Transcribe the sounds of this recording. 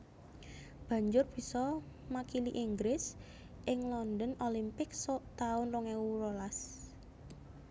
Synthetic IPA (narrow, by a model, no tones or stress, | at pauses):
b̥ä̤ɲd͡ʒʊrb̥i̤sɔ | makiliʔiŋɡɾɪs | ʔɪŋlɔnd̪ɔnolimpɪk̚sɔʔt̪aʊnrɔŋɛurolas